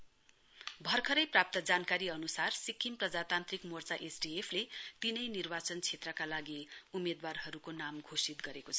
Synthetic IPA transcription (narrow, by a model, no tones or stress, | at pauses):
bʱʌrkʰʌɾʌjprap̚t̪ʌd͡zankaɾiʌnusarsikʰːimprʌd͡zat̪ant̪rikmort͡saʔesɖiepʰlet̪inʌjnirbat͡sʌnt͡sʰet̪rʌkalaɡiumed̪warɦʌɾukonamɡʱosit̪ɡʌɾekot͡sʰʌ̥